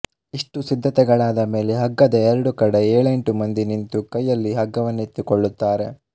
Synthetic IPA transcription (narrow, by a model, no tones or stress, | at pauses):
iʂʈusid̪ʱːɐt̪ɛɡɐɭaːd̪ɐme̞ːle̞ɦɐɡːɐd̪ɐːɾɐɽukɐɽeeːɭe̞ɳʈumɐnd̪inint̪ukɐjːɐlːiɦɐɡːɐʋɐnːet̪ːikoɭːut̪ːaːɾe̞̰